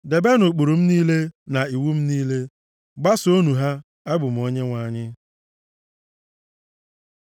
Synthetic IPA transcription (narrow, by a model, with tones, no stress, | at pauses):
de˨be˦nʊ˨k͡pu˨ɾu˨m̩˦niː˦le˦na˨i˨wu˦m̩˦niː˦le˦ | ɡ͡ba˦so˦nu˨ɦa˦ | a˦ɡ͡bʊ˨m̩˨o˦ɲe˦ŋʷa˨ɲɪ˦